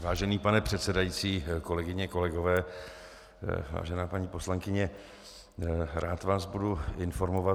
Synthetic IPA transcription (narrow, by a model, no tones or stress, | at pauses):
vaːʒɛniːpanɛpr̝̥ɛt̪sɛdajit͡siːko̞lɛɡɪɲɛko̞lɛɡo̞vɛː | va̰ːʒɛnaːpaɲipo̞slaŋkɪɲɛ | ɾʔaːt̪vaːsbuduɪnfo̞ɾmova